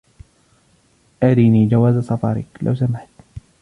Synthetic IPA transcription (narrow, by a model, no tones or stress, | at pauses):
ʔaɾiːniːd͡ʒawaːzasˤɑfɑ̰ːɾˤɪ̰klʔa̰wsamɪħt̪